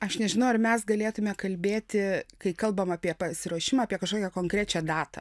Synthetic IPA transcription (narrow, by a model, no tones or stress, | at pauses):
ɐʃnʲɛʒʲɪnɐʊɐrmʲɛsɡɐlʲeːt̪ʊmʲɛkɐlʲbʲeːt̪ʲɪkɐɪkɐlˠbɐmɑːpʲiɛpɐsʲɪɾuɔʃʲɪmɑɐːpʲiɛkɐʃkoːkʲɛkoːŋkɾʲæːt͡ʃʲæd̪ɑːt̪ɐ̰